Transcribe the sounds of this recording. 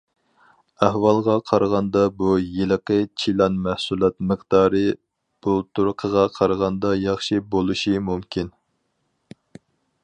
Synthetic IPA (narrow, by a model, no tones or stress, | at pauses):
æhwɑlˠʁɑqʰɑɾʁɑnd̪ɑbujeləqət͡ʃʰilˠɑnmæhsulˠɑt̪məχd̪̥ɑːɾɨ | b̥ut̪ʰuɾqʰəʁɑqʰɑɾʁɑnd̪ɑjɑχʃibolˠuʃimumkʲʰin